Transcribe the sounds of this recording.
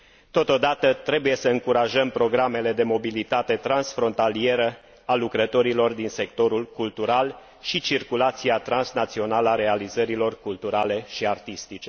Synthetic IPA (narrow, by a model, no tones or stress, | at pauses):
t̪o̞t̪o̞d̪at̪ət̪ɾe̞buje̞səɨŋkuɾaʒəmpɾo̞ɡɾame̞le̞d̪e̞mo̞bilit̪at̪e̞t̪ɾansfɾo̞nt̪alie̞ɾə | alukɾət̪o̞ɾilo̞rd̪inse̞kt̪o̞ɾulkult̪uɾal | ʃit͡ʃirkulat̪siat̪ɾansnat̪sio̞naləaɾe̞alizəɾilo̞rkult̪uɾale̞ʃiart̪ist̪it͡ʃe